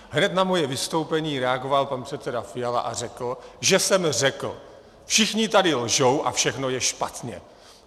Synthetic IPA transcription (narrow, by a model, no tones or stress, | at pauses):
ɦnɛt̪namo̞jɛvɪst̪o̞wpɛɲiːɾɛaɡo̞valpanpr̥ɛt̪t͡sɛdafɪjala̰ʔa̰r̝ɛkl̩ʒɛsɛmrɛkl̩ | fʃɪxɲɪt̪adɪlʒowʔa̰fʃɛxno̞jɛʃpat̪ɲɛ̰